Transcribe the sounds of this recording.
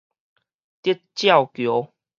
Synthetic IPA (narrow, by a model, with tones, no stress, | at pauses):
t̪i˦˥t̚t͡ɕja˥˨wkjo˨˦